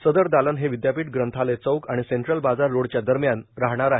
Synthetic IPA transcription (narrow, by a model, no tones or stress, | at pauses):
səd̪əɾd̪alənɦeʋid̪japiːʈɡɾənt̪ʰalet͡səwkaɽ̃iseɳʈɾəlbad͡zaɾːoɽt͡ɕjad̪əɾmjanɾaɦɳ̃aɾae